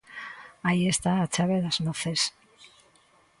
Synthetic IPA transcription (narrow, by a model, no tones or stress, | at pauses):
aie̞st̪aːt͡ʃaβeðaznoθes